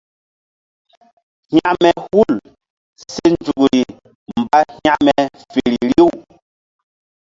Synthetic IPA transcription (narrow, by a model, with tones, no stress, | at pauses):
hja˦ʔmɛ˨hu˦˨l | sɛ˦n˨d͡ʒu˨ku˨ɾi˨ | m̩˨ba˦hja˦ʔmɛ˨ | fe˨ɾi˨ɾi˦˨w